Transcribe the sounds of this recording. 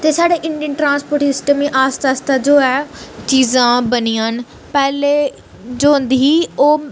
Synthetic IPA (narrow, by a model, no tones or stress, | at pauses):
t̪eːsaːɖeːʔɪɳɖiənʈɾãːnspoːɾʈsɪsʈəmĩʔaːst̪aːst̪aːd͡ʒoːɛːt͡ʃiːzãːbənijãːn | pɛːleː | d͡ʒõːnd̪iiːoː